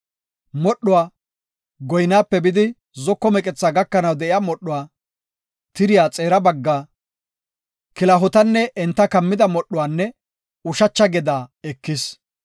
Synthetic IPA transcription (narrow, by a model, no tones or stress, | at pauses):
mɔɗːʊwaː | ɡɔjnaːpːɛbɪd̪ɪ | zɔkːɔmɛkʼɛt͡sːaːɡɐkːɐnɐwd̪ɛʔɪjamɔɗːʊwaː | t̪ɪɾɪjaːt͡sʼeːɾɐbɐɡːaː | kɪlɐɦʊt̪ɐnːɛʔɛnt̪ːɐkɐmːɪd̪ɐmɔɗːʊwaːnːɛ | ʊʃɐt͡ʃːɐɡɛd̪aːɛkːɪs